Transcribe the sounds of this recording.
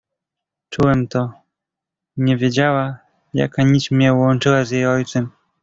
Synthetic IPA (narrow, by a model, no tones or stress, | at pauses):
t͡ʂuwɛmt̪ɔ | ɲɛvʲjed͡ʑawa | ja̰kaɲit͡ɕmɲɛwwɔnt͡ʂɘwazjejɔjt̪sɛm